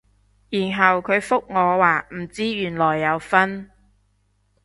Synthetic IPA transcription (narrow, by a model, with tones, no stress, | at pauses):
jiː˨˩nɦɐ˨wkʰɵ˨˧ɥfʊ˥k̚ŋɔː˨˧waː˨m̩˨˩t͡siː˥jyː˨˩nlɔː˨˩jːɐ˨˧wfɐ˥n